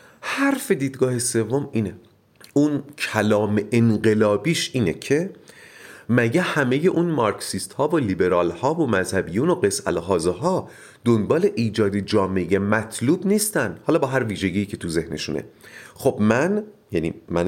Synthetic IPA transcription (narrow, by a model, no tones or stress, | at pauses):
hæɾfe̞d̪iːd̪ɡɒːhese̞vːo̞miːne | uːncʰælɒːmeʔenɢe̞lɒːbiːʃiːnecʰe̞ | mæɟæhæme̞je̞ʔuːnmɒɾksist̪hɒːvolibe̞ɾɒːlhɒːvomæzhæbijuːnoɢe̞sæ̰lɦɒːzeɦɒː | d̪̥onbɒːle̞ʔiːd͡ʒɒːd̪ed͡ʒɒːme̞jemæt̪ʰluːbniːst̪ænd̪̥hɒːlɒːbɒːɦæɾviːʒeɟiːcʰe̞t̪ʰuze̞hnḛʃṵnḛχo̞bmænjænḭːmæn